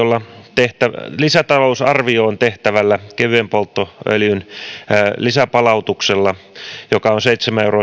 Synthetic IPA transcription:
olːɑt̪eht̪ælisæt̪ɑlousɑrʋioːnt̪eht̪æʋælːækeʋyempolt̪ːoø̰ljyn | lisæpɑlɑut̪ukselːɑjokɑonseit̪semæeuro

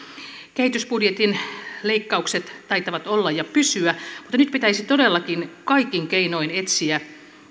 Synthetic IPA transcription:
kehit̪ysbudjet̪inle̞ikːɑukset̪ːɑjt̪ɑʋɑt̪olːɑjjɑpysyæmut̪ːɑnyt̪pit̪æisit̪o̞delːɑkinkɑikːiŋkeino̞ine̞t̪siæ

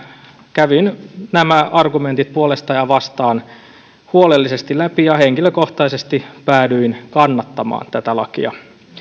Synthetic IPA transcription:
kæʋinnæmæɑrɡument̪it̪̚puolest̪ɑjɑʋɑst̪ɑːn | huolelːisest̪ilæpijɑheŋkiløkoht̪ɑisest̪ipæːdyinkɑnːɑt̪ːɑmɑ̰ːnt̪æt̪ælɑ̰kḭɑ̰

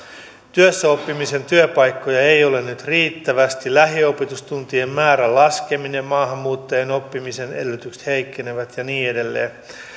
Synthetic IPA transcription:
t̪yøsːæo̞pːimise̞nt̪yøpɑjkːo̞jɑe̞jo̞lennyt̪riːt̪ːæʋæst̪ilæɦio̞pet̪ust̪unt̪iemmæːɾælɑske̞minemmɑːɦɑmːuːt̪ːɑjeno̞pːimise̞ne̞lːøt̪ykst̪heikːe̞neʋæt̪jɑniːede̞lːḛː

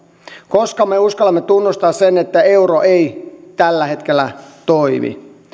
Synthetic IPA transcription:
koskɑmːeuskɑlɑmːet̪unːust̪ɑːssenet̪ːæeuɾoʔeit̪ælːæhet̪kelːæ̰t̪oimḭ

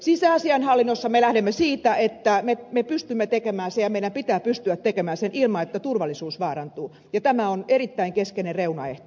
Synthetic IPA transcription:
sisæɑsiɑnhɑlːinːosːɑmelæhɾemːesiːt̪æet̪ːæmemepyst̪ymːet̪ekemæːsejɑmeiɾæmpit̪æːppyst̪yæt̪tekemæːsenʔilmɑet̪ːæt̪urʋɑlːisuːsʋɑːrɑnt̪uː | jɑt̪æmæonerit̪ːæiŋkeskenerreunɑeht̪o̥

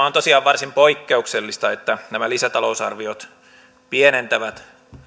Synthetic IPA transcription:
ont̪osiɑːʋʋɑrsimpoikːeukselːist̪ɑet̪ːænæmælisæt̪ɑlousɑrʋiot̪ | pienent̪æʋæt̪

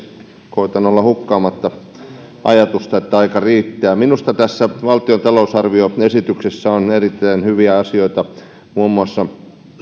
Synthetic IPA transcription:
koit̪ɑnolːɑhukːɑːmɑt̪ːɑ | ʔɑ̰jɑt̪ust̪ɑet̪ːæɑikɑriːt̪ːæːminust̪ɑt̪æsːæʋɑlt̪iont̪ɑlousɑrʋioesit̪yksesːæonerit̪ːæːnhyʋiæɑsioit̪ɑ | muːmːuɑsːɑ

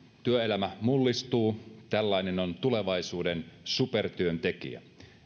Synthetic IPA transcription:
t̪yøelæmæmulːist̪uːt̪ælːɑinenont̪ule̞ʋɑjsuːdensupert̪yønt̪e̞kḭæ̰

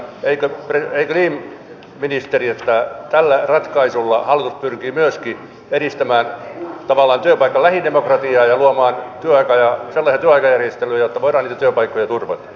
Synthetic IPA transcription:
eikøpreeikøliːm | minist̪eriet̪ːæt̪ælːærɑt̪kɑisulːɑhɑlːˑit̪uspyrkiːmyøski | eɾist̪æmæːnt̪ɑʋɑlːˑɑːnt̪yøpɑikːɑllæhidemokrɑt̪iɑːjɑluɑmɑːnt̪yøɑikɑjɑselːɑsijɑt̪yøɑikɑjærjest̪elyːjot̪ːɑʋoiɾɑːniːt̪æt̪yøpɑikːojɑt̪urʋɑ̰t̪ɑ̥

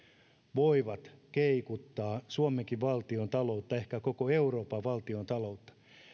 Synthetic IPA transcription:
ʋoiʋɑt̪keikut̪ːɑːsuomeŋkiʋʋɑlt̪iont̪ɑlo̞ut̪ːɑe̞hkækokoe̞uroːpɑʋɑlt̪io̞nt̪ɑlo̞ut̪ːɑ̥

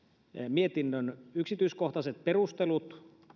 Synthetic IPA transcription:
miet̪inːønyksit̪yiskoht̪ɑset̪̚peɾust̪elut̪

